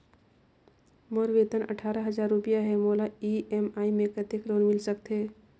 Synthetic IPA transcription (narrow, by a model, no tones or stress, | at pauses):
moɾʋeːt̪ənə̰ʈʰaːɾaɦəzaːɾːʊpijaɦɛmoːlaiɛmaːimẽkət̪ekɾoːnmɪlsək̚t̪ɦeː